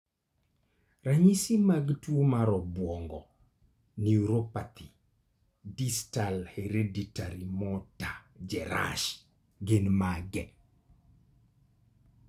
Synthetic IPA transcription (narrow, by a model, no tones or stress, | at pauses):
raɲisimaɡtwomaɾɔbwɔŋɡɔ | niuɾopat̪i | distalheɾeditaɾimɔtad͡ʒɛɾa̰ʃ | ɡenmaɡɛ